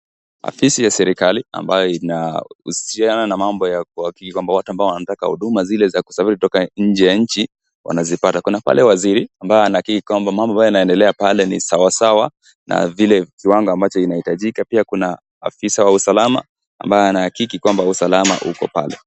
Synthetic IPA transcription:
a̰fisijasɛɾikalia̰mbajɔinaṵsiananamambɔjak̚uakikikwambawatuambaɔwanataka̰hṵɗumazilɛzaku̥safiɾikutɔkaɲ̩d͡ʒɛjaɲ̩t͡ʃi | wʔa̰nazipatakunapa̰lɛwaziɾiambajɔanahakikikwambamambɔambajanaɛndɛlɛapalɛnḭsawasawa | na̰vilɛkiwaŋɡɔambat͡ʃɔinahitaʄikapiakuna̰ː | fisawausalama̰ː | mbajɔanaːkikikwambausalama̰ʔukɔ̰palɛ̰

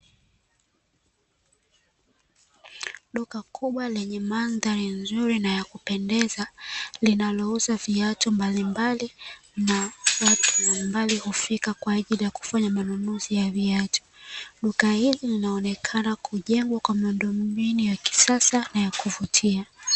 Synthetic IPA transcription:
ɗukakʰuɓwalɛɲɛmanðaɾinzuɾinajakupɛndɛzalinalɔuzaviatɔmbalimbalinawatu̥malimbalihufikakwaːʄilijaku̥faɲamanunuzijaviatʰɔ̥ɗukahizilinaɔnɛkʰanakʰuʄɛŋɡwakwamiundɔmbinujaki̥sasanajakuvutʰia

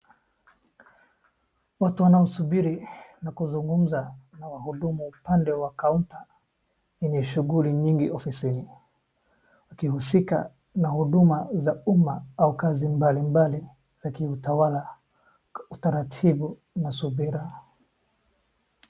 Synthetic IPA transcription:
watuwanaɔsubiɾinakuzuŋɡum̩zanawahuɗumuːpandɛwakauntḁ | iɲɛʃuɣuliɲiŋɡiʔɔfisini | wakihusika̰ | nahuɗumazaumaaukazimbalimbali | z̥akiutawala | utaɾatʰibu | nasubiɾa

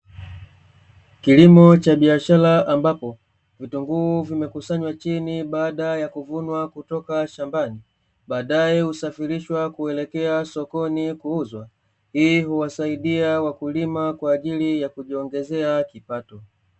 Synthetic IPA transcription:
kilimɔt͡ʃaɓiaʃalaʔambapɔ | vituŋɡuːvimɛkusaɲwat͡ʃiniɓaːɗajakuvunwakutɔkaʃambani | ɓaːɗajɛhusafiɾiʃwakuɛlɛkɛasɔkɔnikuuzwa | hiːɦuwasaiɗiawakulimakwaːʄilijakuʄiɔŋɡɛzɛakipatɔ

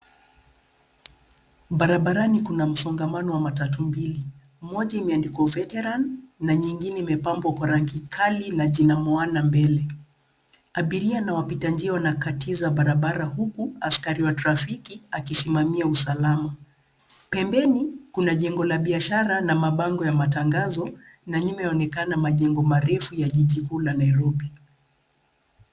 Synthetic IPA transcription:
ɓaɾaɓaɾanikunam̩sɔŋɡamanɔwamatatumbili | mɔʄaimɛandikwɔvɛtɛɾanːaɲiŋɡinɛimɛpambwakwaɾaŋɡikʰalinaʄinamɔanambɛlɛ | aɓiɾianawapitand͡ʒiawanakatizaɓaɾaɓaɾahukuaskaɾiwatɾafikiakisimamiausalama | pɛmbɛnikunaʄɛŋɡɔlaɓiaʃaɾanamaɓaŋɡɔjamataŋɡazɔ | naɲimɛɔnɛkanamaʄɛŋɡɔmaɾɛfujaʄiʄikulanaiɾɔɓi

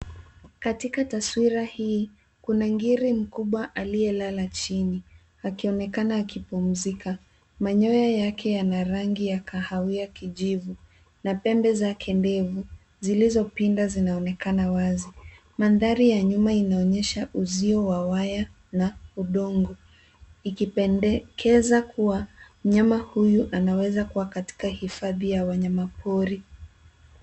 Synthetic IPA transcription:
katikataswiɾahiː | kunaŋɡiɾim̩kuɓwaʔaliɛlalat͡ʃini | akiɔnɛkanaːkipum̩zika | maɲɔjajakʰɛjanaɾaŋɡijakahawiakiʄivu | napɛmbɛzakʰɛndɛvu | zilizɔpindazinaɔnɛkanawazi | manðaɾijaɲumainaɔɲɛʃaʔuziɔwawaja | nauɗɔŋɡɔ | ikipɛkʰɛzakʰuwam̩ɲamahujuʔanawɛzakuwakati̥kahifaðijawaɲamapʰɔɾi

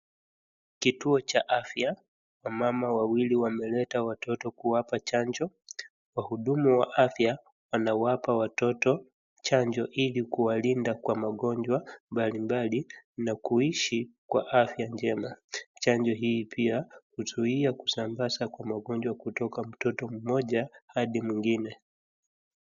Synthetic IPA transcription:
kituɔt͡ʃaʔafja | wamamawawiliwamɛlɛtawatɔtɔkuwapat͡ʃand͡ʒɔ | wahuɗumuwaʔafja | wanawapawatɔtɔ | t͡ʃaɲd͡ʒɔʔilikuwalindakwamaɠɔɲd͡ʒwambalimbalinakuiʃikwaʔafjaɲd͡ʒɛmat͡ʃaɲd͡ʒɔɦiːpʰiahuzuiaku̥sambasakwamaɠɔɲd͡ʒwakutɔkam̩tɔtɔm̩mɔʄahaɗimwiŋɡinɛ

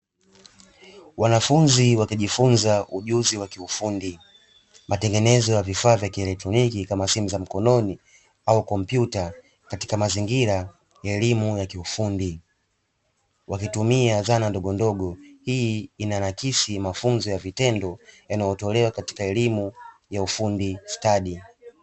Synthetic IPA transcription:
wanafunziwakiʄifunzaʔuʄuziwakiufundi | matɛŋɡɛnɛzɔjavifaːvjakiɛlɛk̚tɾɔnikikamasimuzam̩kɔnɔni | aukɔm̩pjuta | kati̥kamaziŋɡiɾa | ɛɛlimujakiufundi | wakitumiaðanandɔɠɔndɔɠɔhiinanakisimafunzɔjavitɛndɔjanajɔtɔlɛwakati̥kaɛlimujaufundistaɗi

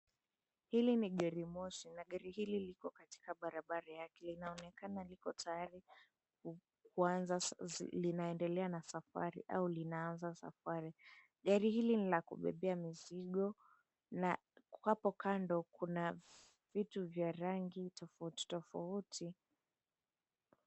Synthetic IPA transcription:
hiliniɠaɾimɔʃinaɠaɾihililikɔkati̥kaɓaɾaɓaɾajakɛlinaɔnɛkanalikɔtʰajaɾi | k | kuazalinaɛndɛlɛanasafa̰ɾḭʔa̰ulinaanzasa̰faɾi | ɠaɾihilinilakṵɓɛ̰ɓɛamiziɠɔ | na | kwapɔkandɔkuna | v̥ituvjaɾaŋɡitʰɔfauti̥tɔfautʰi

